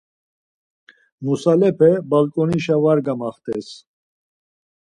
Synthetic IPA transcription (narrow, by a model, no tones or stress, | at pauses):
musalɛpʰɛbalkʼɔniʃavaɾɡamaχt̪ʰʼɛs